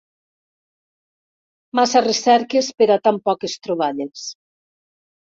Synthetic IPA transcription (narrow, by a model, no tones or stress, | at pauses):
masaresɛɾkespeɾat̪ampɔkest̪ɾoβaʎes